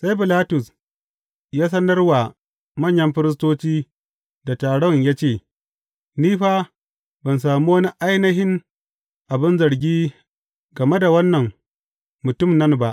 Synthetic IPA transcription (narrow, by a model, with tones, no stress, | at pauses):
sa˦jbɪ˨laː˦tʊ˨s | jaː˦s̬ɐ˦nɐ˦rwa˨ | mɐ˦˨ɲjɐ˦mɸɪ˦ɾɪ˦s̬toː˦t͡ʃiː˦ | da˨taː˨ɽɔ˦ɲjaː˦t͡ʃeː˦˨ | niː˦ɸaː˦ | bɐ˨ns̬aː˨muː˦wɐ˦ni˦ʔa˦jnɐ˦ɦɪ˦ŋ | ʔa˨bɪ˦nzɐ˨ɽɡʲiː˦ | ɡɐ˨me˦da˨wɐ˦nːɐ˨ŋ | mʊ˨tʊ˦˨mnɐ˦nba˦ʔ